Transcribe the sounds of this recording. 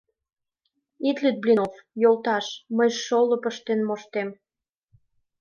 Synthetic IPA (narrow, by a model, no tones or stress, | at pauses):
it̪lyt̪̚blʲinofjolt̪ɑʃməjʃʃolɤ̆pəʃt̪enmoʃt̪em